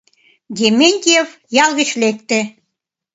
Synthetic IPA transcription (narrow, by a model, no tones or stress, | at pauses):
d̪ʲemenʲt̪ʲijef | jɑlˠɣə̆t͡ɕlek̚t̪ĕ